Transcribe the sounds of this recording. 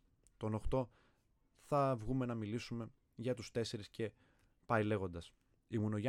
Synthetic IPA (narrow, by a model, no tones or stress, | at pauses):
t̪o̞no̞xt̪o̞ | θɐvɣume̞nɐmilisume̞ | ʝɐt̪ust̪e̞se̞ɾisce̞ | pɐile̞ɣo̞nd̪ɐs | imuno̞ʝ